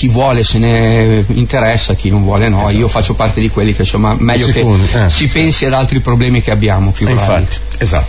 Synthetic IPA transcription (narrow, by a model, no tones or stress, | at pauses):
k̟ivwɔːleseneint̪eɾɛsːak̟inõɱvwɔːlenɔiofat͡ʃːopart̪ed̪ikwelːikesomamɛʎːokesipensiad̪alt̪ɾipɾoblɛːmikeabːjaːmopufai̥ | eza̰t̪ː